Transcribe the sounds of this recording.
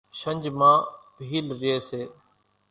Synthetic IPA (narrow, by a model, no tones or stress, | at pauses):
ʃəɲʲd͡ʒmãːbʱiːlɾɪeːseː